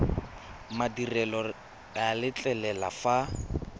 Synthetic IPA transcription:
madirɛlɔ | alɪt͡ɬʼɛlɛlafa

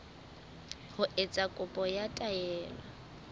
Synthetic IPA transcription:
hʊʔet͡sʼakʼʊpʼɔjatʼaɛːla

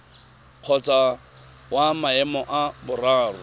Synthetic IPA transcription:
q͡χʰɔt͡sʼa | wamaɛmɔʔabʊraːrʊ

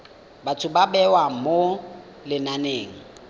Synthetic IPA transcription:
batʰʊbabɛwamo | lɪnaneːŋ̩

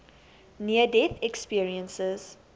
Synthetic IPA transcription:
niədɛθɛkspiəɹiə̃nsəz̥

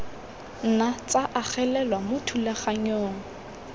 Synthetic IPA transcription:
n̩nat͡saʔaχɛlɛlwamʊtʰulaχaɲoːŋ̩

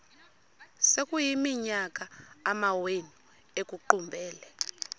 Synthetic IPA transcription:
sekʼujimiɲak̬ʼaːmawenu | ekʼuǃumbʱɛːlɛ

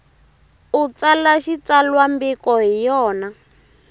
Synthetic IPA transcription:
ut͡salaʃit͡salwambikɔɦijɔːna

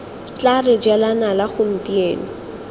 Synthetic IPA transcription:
t͡ɬarɪd͡ʒɛlanalaχʊm̩pʼieːnɪ

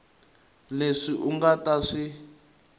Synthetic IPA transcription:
leʂiʔuŋɡataʂi

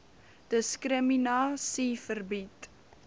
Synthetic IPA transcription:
d̥əskrəminɑːsifərbit

